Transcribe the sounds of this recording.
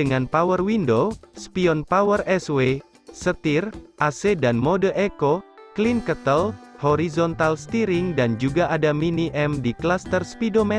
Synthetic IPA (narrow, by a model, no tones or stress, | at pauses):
dəŋanpawərwindospiɔnpawərɛswe | sət̪irʔasedanmodəʔekoklinkət̪əlhɔɾizɔnt̪alst̪iɾɪŋdand͡ʒuɡaʔadaminiʔɛmdiklast̪ərspidomɛ